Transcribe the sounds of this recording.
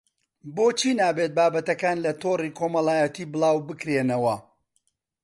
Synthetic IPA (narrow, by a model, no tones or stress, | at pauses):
boːt͡ʃʰiːnaːbet̪̚baːbɐt̪ɐkaːnlɐt̪oriːkʰoːmɐlˠaːjɐt̪iːbɨlˠaːwbɨkɾeːnɐwɐ